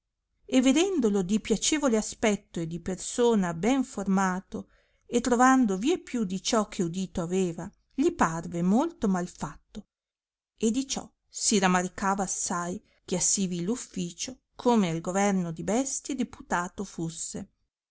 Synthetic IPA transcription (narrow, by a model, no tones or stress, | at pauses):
evːed̪ɛnd̪olod̪ipjat͡ʃeːvoleaspɛt̪ːoed̪ipersoːnabɛɱformaːt̪o | et̪ːɾovand̪oviepːjud̪it͡ʃɔk̟ʰːeud̪iːt̪oaveːva | ʎiparvemolt̪omalfat̪ːo | ed̪ːit͡ʃɔ̰ | siɾamaɾikaːvaːsːaj | k̟easːivilufːiːt͡ʃo | kʰomealɡovɛrnod̪ibɛst̪jed̪eput̪aːt̪ofusːe